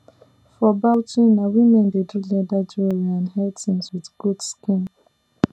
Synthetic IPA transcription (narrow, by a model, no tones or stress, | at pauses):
fɔbawtĩnnawimɛ̃ndedulɛdad͡ʒuɹiãnɦɛtĩnswiðɡ̥udskĩm